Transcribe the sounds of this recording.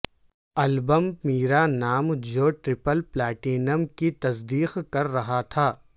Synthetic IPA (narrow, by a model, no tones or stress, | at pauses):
ɐlbəmmiːɾanaːmd͡ʒoːʈɾɪpəlplɛːʈiːnəmkit̪ɐs̬d̪iːqkɐɾːɐɦat̪ʰaː